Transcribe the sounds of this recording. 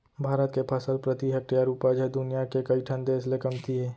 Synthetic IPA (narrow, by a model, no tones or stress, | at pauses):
bʱaːɾət̪kepʰɐsəlpɾət̪iɦɐk̚ijaɾuːpad͡ʒɦɛd̪ʊnijakekɐiʈʰɐ̃nd̪eːslekəmt̪ʰiɦɛː